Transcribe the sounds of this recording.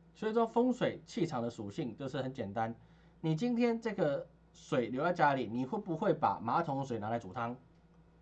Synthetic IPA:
swi˨˩ʂwɔ˥fɤ˥ŋswe˨˩ɪt͡ɕʰi˥˩ʈ͡ʂʰɑ˨˩ŋd̪ə˧˦ʂu˨˩ɕi˥˧˨ŋt͡ɕjo˥˧ʊʂɻ̩˥˩hə˨˦nt͡ɕjɛ˨˩nt̪a˦n | ni˨˩t͡ɕi˦nt̪ʰjɛ˥nʈ͡ʂɤ˥˩ɡə˨ | swe˨˩ɪljo˧˦t̪a˥˧˩t͡ɕja˥li˨˩ni˨˩xwe˥˩pu˧˦xwe˥˩ɪpa̰˨˩ma˧˥t̪ʰʊ˧˥ŋswe˨˩ɪna˧˥la˧ɪt͡su˨˩t̪ʰɑ˦ŋ

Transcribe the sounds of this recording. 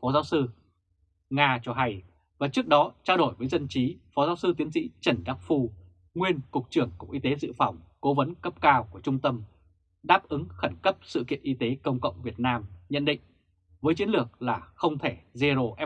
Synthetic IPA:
fɔ˨˦zaː˨˦wsɨ˧ | ŋaː˧t͡ɕɔ˧ɦa˧j | vaː˨˩t͡ɕɨ˦˥ək̚ɗɔ˨˦t͡ɕaː˧wɗo˧˩jvəː˨˦jzə˧nt͡ɕi˨˦fɔ˨˦zaː˨˦wsɨ˧t̪i˨˦ənsḭ˧˥t͡ɕə˧˩nɗaː˦˥p̚fu˧ | ŋwi˧ənkʊ˨˩k͡p̚t͡ɕɨ˧˩əŋkʊ̰˨˧˩k̚ʔi˧t̪e˨˦zɨ̰˧˨fa˧˩wŋ͡mko˨˦və˨˦nkə˦˥p̚kaː˧wku˧˩ət͡ɕʊ˧ŋ͡mt̪ə˧m | ɗaː˦˥p̚ʔɨ˨˦ŋxa˧˩nkə˦˥p̚sɨ̰˧˨kḭ˧˨ənʔi˧t̪e˨˦kə˧wŋ͡mkə̰˧˨wŋ͡mvi˨˩ət̚naː˧mɲə̰˧˨nɗḭ̈˧˨ŋ̟ | vəː˨˦jt͡ɕi˨˦ənlɨ˨˩ək̚laː˨˩xə˧wŋ͡mt̪ʰe˧˩ze˧zo˨˩ʔɛ˧˦

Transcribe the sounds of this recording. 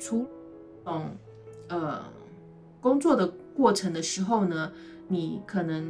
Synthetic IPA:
ʈ͡ʂʰu˧˥ | ʊ˨˩ŋ | ə˧ | kʊ˥ŋt͡swɔ˥˩d̪ə˩kwɔ˥˩ʈ͡ʂʰɤ˧˥ŋd̪ə˧ʂɻ̩˧˥xo˥˧ʊnə˩ | ni˨˩˦kʰɤ˨˩nɤ˧˥ŋ

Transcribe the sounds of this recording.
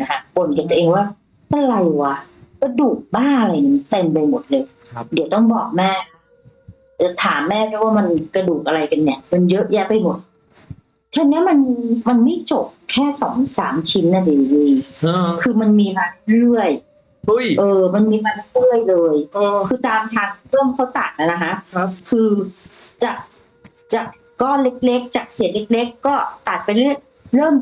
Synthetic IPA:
na˦˥kʰa˦˥po˨˩˦nka˧nt̪u˧ʔeː˧ŋwaː˥˩ | ʔa˧˩la˧jwa˨˩ka˧˥˩duː˨˩k̚baː˥˩nʔa˧la˧jni˧˥t̪e˧np̬a˧jmo˨˩t̪̚lɤː˧jʰ | di˨˩˦wt̪ɔ˥˩ŋbɔː˨˩k̚mɛː˥˩kʰa˦˥ | a˧˦˩t̪ʰaː˩˦mːɛː˥˩pʰɛ˥˩waː˥˩ma˧nkɾa˧duː˨˩k̚ʔa˧ɾa˧jka˧nːi˥˩ɐma˧njɤ˦˥ʔjɛ˦˥pa˧jmo˨˩t̪̚ | t̪ʰa˧˥nːi˦˥ma˧nma˧nma˥˩jt͡ɕo˨˩p̚kʰɛː˥˩sɔ̰ː˩˦ŋsa̰ː˩˦mt͡ɕʰi˧˥nːa˧˩diː˨˩niː˧kʰɯː˧ma˧nmiː˧ma˧n˥ɾɯ˥˩əj | u˥˩jʔɤː˧ma˧nmiː˧maː˧nla˦˥lɯ˥˩əjlɤː˧jkʰɯː˧t̪aː˧mt̪ʰaː˧ŋɾɤː˥˩mkʰa˦˥˩wt̪a˨˩t̪̚na˧˩na˦˥kʰa˦˥ʔkʰɯː˧ | t͡ɕa˨˩k̚ | t͡ɕa˨˩kːɔː˥˩le˦˥k̚le˦˥k̚t͡ɕa˨˩k̚si˨˩˦t̚le˦˥k̚le˦˥kːɔː˥˩t̪a˨˩t̪̚pa˧jlɯ˥˩əj | ɾɤː˥˩m

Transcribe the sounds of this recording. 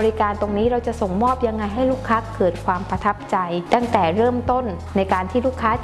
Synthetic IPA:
ɾi˦˥kaː˧nt̪o˧ŋniː˦˥ɾa˧wt͡ɕa˨˩ʔso˨˩ŋmɔː˥˩p̚ja˧ŋːa˧jɦa˥˩jluː˥˩kʰːa˦˥kɤː˨˩t̪̚kʰwaː˧mpa˧t̪ʰa˦˥p̚t͡ɕa˧jt̪a˥˩ŋt̪ɛː˨˩ɾɤː˥˩mt̪o˥˩nːa˧jkaː˧nt̪ʰiː˥˩luː˥˩kʰːaː˦˥

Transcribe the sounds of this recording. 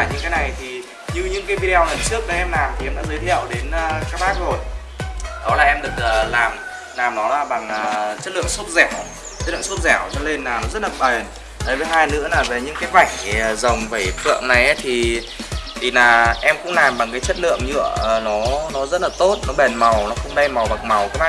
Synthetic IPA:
a˧˩ɲɨ̰˧˥ŋkaː˨˦jna˨˩jt̪ʰi˨˩ | ɲɨ˧ɲɨ̰˧˥ŋkaː˨˦jvi˧i˧ɔ˧lə˨˩nt͡ɕɨ˦˥ək̚ɗəː˨˦ʔɛ˧mlaː˨˩mt̪ʰi˨˩ʔɛ˧mɗa̰ː˧˥zəː˨˦jt̪ʰḭ˧˨əwɗe˨˦nː˨kaː˦˥k̚ɓaː˦˥k̚zo˨˩j | ɗə˨˦laː˨˩ʔɛ˧mɗɨ˨˩ək̚ʔəː˨˩laː˨˩m | laː˨˩mnɔ˨˦laː˧˩ɓa˨˩ŋʔəː˨˩t͡ɕə˦˥t̚lɨ̰˧˨əŋso˦˥t̚zɛ˧˩w | t͡ɕə˦˥t̚lɨ̰˧˨ə˨ŋso˦˥t̚zɛ˧˩wzɔ̰˧˦le˧nːaː˨˩nɔ˨˦zə˦˥t̚laː˨˩ɓə˨˩n | t̪ʰə˨˦jvəː˨˦jɦaː˧jnɨ̰˧˥ənaː˨˩ve˨˩ɲɨ̰˧˥ŋkaː˨˦jva˧˩jŋə˨˩zə˨˩wŋ͡mvə˧˩jfʰɨ̰˧˨əŋna˨˩jʔə˨˦t̪ʰi˨˩ | t̪ʰi˨˩naː˨˩ʔɛ˧mkʊ̰˧˥ŋ͡mlaː˨˩mɓa˨˩ŋk̬aː˨˦jt͡ɕə˦˥t̚lɨ̰˧˨əŋɲɨ̰˧˨ə˨˩nɔ˨˦nɔ˨˦zə˦˥t̚laː˨˩t̪o˦˥t̚nɔ˨˦ɓɛ˨˩nma˨˩wnɔ˨˦xə˧wŋ͡mɗə˧jma˨˩wɓa˨˩ŋ̚ma˨˩wkaː˦˥k̚ɓaː˦˥

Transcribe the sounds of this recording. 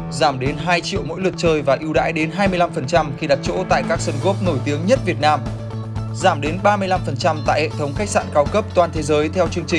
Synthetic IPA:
zaː˧˩mɗe˨˦nɦaː˧jt͡ɕḭ˧˨əwmo̰˧˥jlwə˨˩t̚t͡ɕəː˧jvaː˨˩ʔi˧wɗa̰ː˧˥jɗe˨˦nɦaː˧jmɨ˧jla˧mfə˨˩nt͡ɕa˧mxi˧ɗa˨˩t̚t͡ɕo̰˧˥t̪a̰ː˧˨jkaː˦˥k̚sə˧nɣo˦˥p̚no˧˩jt̪i˨˦əŋɲə˦˥t̚vi˨˩ət̚naː˧m | zaː˧˩mɗe˨˦nɓaː˧mɨ˧əjla˧mfə˨˩nt͡ɕa˧mt̪a̰ː˧˨jhɛ̰˧˨t̪ʰə˨˦wŋ͡mxa˦˥k̚sa̰ː˧˨nkaː˧wkə˦˥p̚t̪waː˧nt̪ʰe˨˦zəː˨˦jt̪ʰɛ˧wt͡ɕɨ˧əŋt͡ɕï˨˩ŋ̟

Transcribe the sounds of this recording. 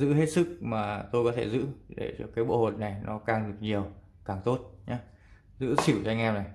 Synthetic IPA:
zɨ̰˧˥ɦe˦˥t̚sɨ˦˥k̚maː˨˩t̪o˧jkɔ˨˦t̪ʰe˧˩zɨ̰˧˥ɗḛ˧˩t͡ɕɔ˧kaː˨˦jɓo̰˧˨ho˨˩t̚na˨˩jnɔ˨˦kaː˧ŋɗɨ˨˩ə˩k̚ɲi˨˩əw | kaː˨˩ŋt̪o˦˥t̚ɲaː˨˦ | zɨ̰˧˥t͡ɕʰi˧˩wza˧ŋʔɛː˧mna˨˩j

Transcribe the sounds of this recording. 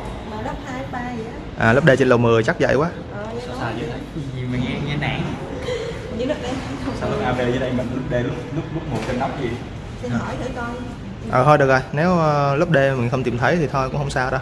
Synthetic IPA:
maː˨˩ɗə˦˥p̚haː˧jɓaː˧ɨ˨˦ | ʔaː˨˩lə˦˥p̚ɗe˧t͡ɕe˧nlə˨˩wmɨ˨˩əjt͡ɕa˦˥k̚zə̰˧˨jkwaː˨˦˨ | saː˧zə˨˦a˨˧˩jɲi˨˩ma˨˩ŋɛ˧ŋɛ˧na̰ː˧˩˨ŋ˨ | ɲɨ̰˧˦lɨ˦˥k̚ɗə˧˦˧saː˧wlə˨˦˧ʔaː˧ɓe˧zəː˨˦ɗə˧jmï˨˩ŋ̟lʊ˦˥p̚ɗe˧lʊ˦˥p̚lu˦˥p̚ʊ˦˥p̚mo˨˩t̚t͡ɕe˧nɗa˦˥p̚zi˨˩ | si˧n˨hɔ˧˩jt̪ʰɨ˧˩˦kɔ˧n | ʔəː˨˩ɦʰə˧jɗɨ˨˩əkzo˨˩jne˨˦wlu˦˥p̚ɗe˧mï˨˩ŋ̟xə˧wŋ͡mt̪i˨˩mt̪ʰə˨˦jt̪ʰi˨˩t̪ʰo˧jkʊ̰˧˥ŋ͡mhə˧wŋ͡msaː˧wɗə˧˦

